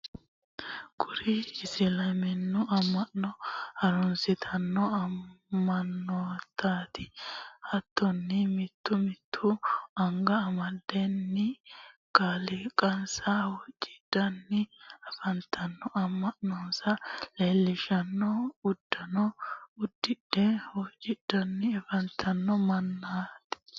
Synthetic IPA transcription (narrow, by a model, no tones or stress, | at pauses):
kʰʊɾɪɪsɪlɐmɛnːʊɐmːɐʔnɔhɐɾɔnsɪt̪ʰɐnːɔɐːɐnːɔt̪ʰːaːt̪ʰɪhɐt̪ʰːɔnːɪmɪt̪ːʊmɪt̪ʰːʊɐŋɡɐːmɐd̪ɛnːɪkaːlɪkʼɐnsɐwɔt͡ʃʼːɪ̥d̪̥ɐnːɪɐfɐnt̪ʰːɐnːɔʔɐmːɐʔnɔnsɐleːlːɪʃɐnːɔʊd̪ːɐnɔʊd̪ːɪd̥ɛwɔt͡ʃʼːɪd̪̥ɐnːɪɐfɐnt̪ʰːɐnːɔmɐnːaːt̪ɪ̥